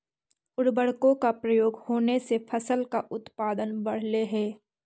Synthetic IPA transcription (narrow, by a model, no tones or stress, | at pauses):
ʊɽbəɽ̤kõkapɾəjoːɡhoːnesepʰəsəlkaʔʊt̪paːd̪ənbɐɽ̤leɦɛː